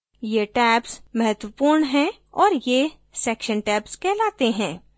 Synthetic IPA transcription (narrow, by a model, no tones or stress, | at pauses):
jeʈɛːpsmɐɦət̪wəpuːɾɳɦɛ̃ | ɔːɾje | sɛːkʃənʈɛːpskɛːlaːt̪eɦɛ̃ː